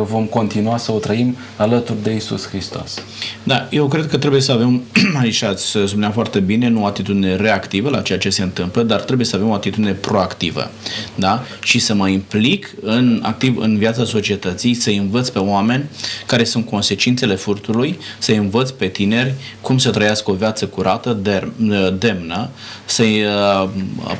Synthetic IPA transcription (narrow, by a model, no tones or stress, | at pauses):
əvo̞mko̞nt̪inuasəot̪ɾəim | alət̪urʲd̪e̞isṵshɾist̪o̞̰s | d̪aje̞wkɾed̪̚kət̪ɾe̞buje̞səave̞mait͡ʃat̪sʲspunafoart̪e̞bine̞nuoat̪it̪ud̪ine̞ɾe̞akt̪ivəlat͡ʃe̞jat͡ʃe̞se̞ɨnt̪ɨmpləd̪art̪ɾe̞buje̞səave̞mo̞at̪it̪ud̪ine̞pɾo̞akt̪ivə̰d̪aʃisəməimplikɨna̰k̚t̪ivɨ̰nvjat̪saso̞t͡ʃie̞t̪ət̪sijsəjɨnvət̪sʲpe̞oame̞nʲkaɾe̞sunt̪̚ko̞nse̞t͡ʃint̪se̞le̞furt̪ulujsəjɨnvət̪sʲpe̞t̪ine̞rʲkumsət̪ɾəjasko̞vjat̪səkuɾat̪əd̪ed̪e̞mnə | sə